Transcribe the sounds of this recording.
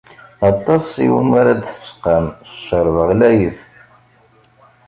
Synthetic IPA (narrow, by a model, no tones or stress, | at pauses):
ɑt̪ˤːɑsˤḭwə̰naɾad̪θə̥sqəməʃəɾˤvəʁlæjəθ